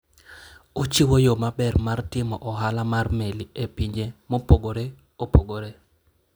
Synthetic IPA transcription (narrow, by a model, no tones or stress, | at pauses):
ot͡ʃiwojomabɛrmartɪmɔ̰ʔɔɦalamarmeliepiɲd͡ʒemopoɡoɾe | opoɡoɾe